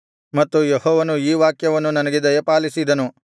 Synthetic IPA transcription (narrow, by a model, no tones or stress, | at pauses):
mɐt̪ːujehɔːʋɐnuiːʋaːkjɐʋɐnːunɐnɐɡid̪ɐjepaːlisid̪ɐnu